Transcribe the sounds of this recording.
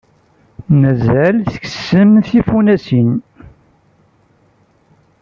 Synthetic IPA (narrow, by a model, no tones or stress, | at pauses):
mæzælθə̥çə̥sːəmθifunæsin